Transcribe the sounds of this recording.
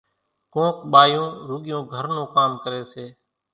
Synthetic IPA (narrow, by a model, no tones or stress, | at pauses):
kõːkɓaːjõːɾuːɠjõːɡʱəɾnõːkaːmkəɾeːseː